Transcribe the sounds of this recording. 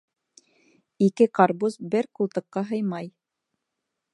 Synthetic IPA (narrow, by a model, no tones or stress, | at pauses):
ikɘqɑɾbusbɘɾkulˠt̪ɤ̆qːɑɦɤ̆jmɑj